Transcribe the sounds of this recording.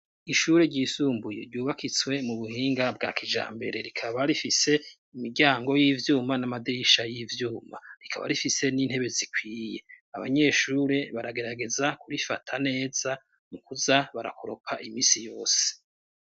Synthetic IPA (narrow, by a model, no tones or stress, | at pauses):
iʃuɾe̞ɾɟiːsuːmbuje̞̰ɾɟuːβakit͡swe̞muβuhiːŋɡab̚ɡa̰ːkʰiʒa̰ːmbe̞̰ɾeɾikʰaβaɾifise̞ | imiɟaːŋɡo̞jiːvjuːmanamadiʃajivjuːma̰ɾikʰaβa̰ɾifise̞nin̥he̞βe̞zikwiːje̞ | aβa̰ɲe̞ːʃuːɾe̞βaɾaɡe̞ɾaɡe̞zakuɾifa̰tʰane̞ːz̥a | mukuzaβaɾa̰koɾo̰kʰaʔimiːsijo̞ːse̥